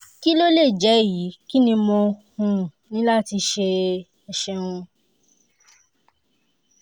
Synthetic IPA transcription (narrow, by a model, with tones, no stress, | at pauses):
ki˦lo˦le˦˨d͡ʒɛ˨˦˨ji˨˦ki˦nĩ˧mɔ̃˧hũ˨˧nĩ˦la˦˨ti˧ʃe˧ | ɛ˧˨ʃɛ̃˧ũ˧